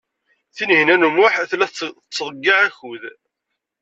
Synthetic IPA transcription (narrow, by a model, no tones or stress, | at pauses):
θinhinænumʊħæθlæθt͡sːðˤəɡːiʕæçuð